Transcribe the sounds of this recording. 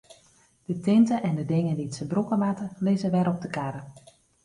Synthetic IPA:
d̥ətɪntəʔɛndədɪŋəndiətsəbrukəmatəlɪzəʋɛɾɔp̚dəkaɾə

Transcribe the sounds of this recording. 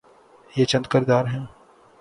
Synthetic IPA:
jet͡ʃɐ̃nd̪kəɾd̪aːɾɦɛ̃ː

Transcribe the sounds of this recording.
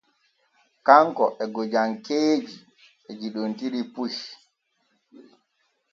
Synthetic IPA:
kaŋkɔʔɛɡod͡ʒaŋkeːd͡ʒi | ɛd͡ʒiɗontiɾipuʃ

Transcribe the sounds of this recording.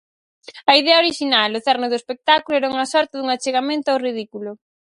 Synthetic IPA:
ɐiðɛɐoɾiʃinalʊθɛrnʊðʊespek̚t̪akulʊɛɾauŋɐsɔɾt̪ɪðuŋat͡ʃeɣamẽnt̪ʊawrið̞ikulʊ

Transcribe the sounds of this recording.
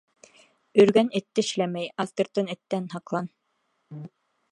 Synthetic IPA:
ɵ̆ɾɡænɘ̆t̪ːɘʃlæmæjɑst̪ɤ̆ɾt̪ɤnɘ̆t̪ːænhɑqlˠɑn

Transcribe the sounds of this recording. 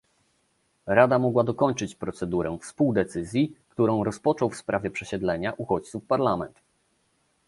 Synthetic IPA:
ɾad̪amɔɡwad̪ɔkɔɲt͡ʂɘt͡ɕpɾɔt̪sɛd̪uɾɛ̃fspuwd̪ɛt̪sɘzʲjikt̪uɾɔ̃w̃ɾɔspɔt͡ʂɔwfspɾavʲjɛpʂɛɕɛd̪lɛɲaʔuxɔt͡ɕt̪sufpaɾlamɛnt̪

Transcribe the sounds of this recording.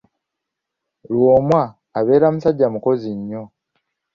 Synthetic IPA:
lwoːmwaː | βe̞ːɾamusaɟːamuko̞ziɲːo̞

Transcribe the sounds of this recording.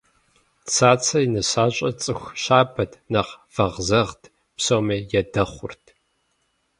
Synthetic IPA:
t͡sʰaːt͡sʰɐinɨɕaːɕʼɐt͡sʼɨxʷɕaːbɐdnɐʁv̥ɐʁzɐʁtʰ | psoːmɐːjɛdɐχʷʊrtʰ

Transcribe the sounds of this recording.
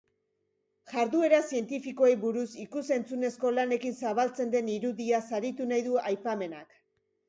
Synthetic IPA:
ʝaɾðue̞ɾasie̞nt̪ifiko̞ejβuɾusikuse̞nt͡sune̞sko̞lane̞kinsaβ̞alt͡se̞nd̪e̞niɾuðiasaɾit̪unajðuajpame̞nak

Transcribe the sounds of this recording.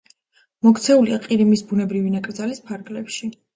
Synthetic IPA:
mɔkt̪sʰɛuliaqʼiɾimisbunɛbɾivinakʼɾd̪zalispʰaɾɡlɛpʃi

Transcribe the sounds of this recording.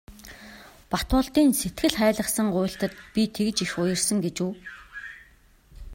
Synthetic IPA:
pat̪ʊːɮt̪iːnset̪ɡɘ̆ɮχæːɮə̆χsə̆ŋɢʊːɬt̪ə̆t̪̚pʲit̪ʰek̆t͡ɕixʊjə̆r̥sə̆ŋɡet͡ɕuː

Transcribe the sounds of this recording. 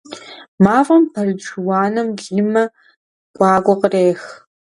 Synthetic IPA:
maːvʼɐmpʰɐrɨd͡ʒwɑːnɐmɡiːmɐ | ɡʷʼɑːɡʷɔqəreːx

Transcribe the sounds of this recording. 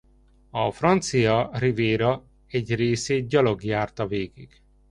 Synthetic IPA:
ɒfrɒnt̪sijɒriveːɾɒ | ɛɟreːseːt̪̚ɟɒlo̞ɡjaːrt̪ɒveːɡiɡ̥

